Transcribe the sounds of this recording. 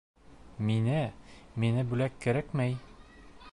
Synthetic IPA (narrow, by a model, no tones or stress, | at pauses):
minɘminɘbʉlækːɘ̆ɾækmæj